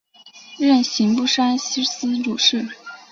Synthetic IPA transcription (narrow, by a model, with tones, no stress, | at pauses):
ɻə˥˩nɕi˧˥ŋpu˥˩ʂa˥nɕi˥s̩˥ʈ͡ʂu˨˩ʂɻ̩˥˩